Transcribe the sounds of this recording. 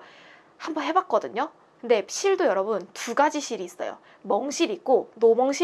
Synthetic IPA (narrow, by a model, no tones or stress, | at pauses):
hambʌnɦe̞bak̚k͈ʌdɯɲo | kɯnde̞ɕ͈ʰiɭdojʌɾʌbuntuɡad͡ʑiɕʰiɾiːs͈ʌ̰jo̰ | mʌŋɕ͈ʰiɾik̚k͈onomʌŋɕʰi